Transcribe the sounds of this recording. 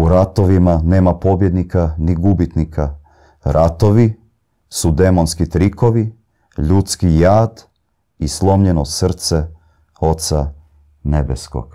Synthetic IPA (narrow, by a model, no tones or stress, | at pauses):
uɾat̪oʋimane̞ːmapo̞bje̞d̪nikaniɡubit̪nikʰa | ɾat̪o̞ʋi | sud̪e̞monskit̪ɾiko̞ʋi | ʎut̪skijaːd̪ | islˠo̞mʎenosr̩t̪se | o̞t̪sa | nebesko̰ɡ̥